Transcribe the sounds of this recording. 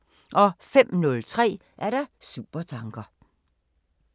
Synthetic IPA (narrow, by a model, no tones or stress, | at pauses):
ʔɒ̽fem̰nɔ̽lt͡sʰʁɛ̰ː | ʔæɐɾ̥ɑ̈sṵːb̥ɐt͡sʰɑ̈ŋɡ̥ɐ